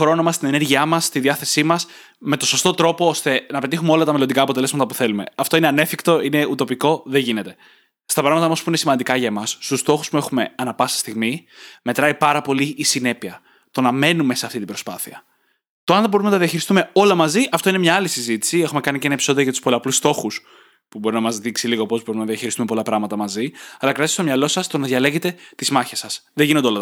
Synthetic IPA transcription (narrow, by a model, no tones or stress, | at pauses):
xɾo̞nomɐst̪ine̞ne̞ɾʝiɐmɐst̪iðiɐθe̞simɐs | me̞t̪o̞so̞st̪o̞t̪ɾo̞po̞ost̪e̞nɐpe̞t̪̬ixumeo̞lɐt̪ɐmelond̪ikɐːpot̪ele̞zmɐt̪ɐpuθe̞lume̞̰ɐft̪o̞ine̞ɐne̞fikt̪o̞ine̞ut̪o̞piko̞ðe̞ʝine̞t̪e̞̥ | st̪ɐpɾɐɣmɐt̪ɐomɐspuine̞simɐnd̪ikɐʝɐemɐsːt̪ust̪o̞xu̥spue̞xume̞ɐnɐpɐsi̥st̪iɣmime̞t̪ɾɐipɐɾɐpo̞liʔːsine̞piɐ | t̪o̞nɐme̞nume̞se̞ɐft̪it̪ibɾo̞spɐθiɐ | t̪oɐnðebo̞ɾumnɐt̪ɐðiɐçiɾist̪ume̞o̞lɐmɐziʔɐft̪o̞inemɲɐːlisizit̪i̥sie̞xume̞kɐniceenɐepi̥so̞ðijoʝɐt̪u̥spo̞lɐplust̪o̞xus | pubo̞ɾinɐmɐzðiksiliɣo̞po̞zbo̞ɾimnɐðiɐçiɾist̪umpo̞lɐpɾɐɣmɐt̪ɐmɐziɐlɐkɾɐst̪omɲɐlo̞sɐst̪o̞nɐðʝɐle̞ɣe̞t̪e̞t̪izmɐçesɐsðeʝinond̪eolɐ